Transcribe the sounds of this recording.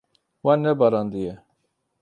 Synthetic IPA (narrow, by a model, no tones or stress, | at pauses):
wanːɛbɑɾɑnd̪ijɛ